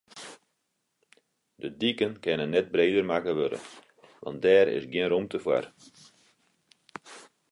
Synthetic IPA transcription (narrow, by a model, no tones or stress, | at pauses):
dədikənkɛnənːɛt̚breːdərmakəʋødə̰ | ʋɑ̰nt̚dɛːɾɪ̰sɡjɪnrumtəfwa̰r